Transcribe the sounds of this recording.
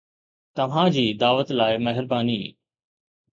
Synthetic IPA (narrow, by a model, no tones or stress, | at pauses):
t̪ɐʋ̤ãd͡ʑiːd̪aːʋət̪laːɪmɐɦɪɾbaːnḭː